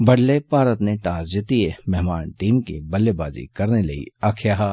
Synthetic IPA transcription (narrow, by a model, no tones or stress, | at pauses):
bɐɽlepaːɾət̪neʈ̪aːzd͡ʒɪt̪iemɛɦmaːnʈiːmkḭbɐlːebaːzḭkɐɾnelɐḭaːkʰjaːɦa